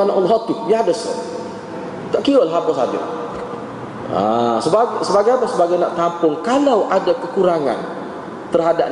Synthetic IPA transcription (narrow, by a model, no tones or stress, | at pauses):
anaʔulɦɔt̪ujaadəs | t̪aʔkiəlaɦapəsa̰da̰ | a̰səbasəbaɡajapəsəbaɡajnaʔt̪ampʊŋkalawʔadakəkuɾaŋa̰n | t̪ərɦadap̚